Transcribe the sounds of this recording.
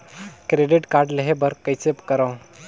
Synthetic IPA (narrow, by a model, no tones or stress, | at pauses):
kɾeɖiʈkaɾɖləɦebəɾkəjt͡sepkəɾəw